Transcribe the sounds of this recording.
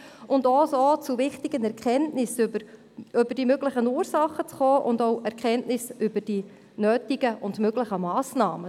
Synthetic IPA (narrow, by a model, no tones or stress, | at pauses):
ʔʊndoːsoːt͡suvɪχtɪɡ̥ənɛɾkχɛntnɪsbə | ʏbəɾd̥imøɡlɪχənuːɾsɑχːət͡sχoːʔʊndoʊʔɛɾkχɛntnɪsʏbəd̥i | nøːtiɡ̥əʔʊndmøɡlɪχəmɑːsnɑːmə